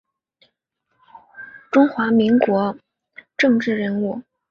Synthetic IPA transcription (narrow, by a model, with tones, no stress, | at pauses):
ʈ͡ʂʊ˥ŋxwa˧˥mi˧˥ŋkwɔ˧˥ | ʈ͡ʂɤ˥˧ŋʈ͡ʂɻ̩˥˩ɻə˧˥nu˥˩